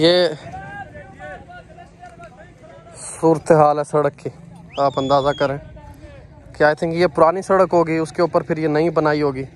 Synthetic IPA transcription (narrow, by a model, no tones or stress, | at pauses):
jeː | suːɾət̪eɦaːlɦɛsɐɽəkːiaːpə̃nd̪aːzakəɾẽː | kaːet̪ʰẽːkijepʊɾaːnisəɽəkɦoːɡiːʊskeuːpəɾpʰɪɾjenɐɦĩbənaːiɦoːɡiː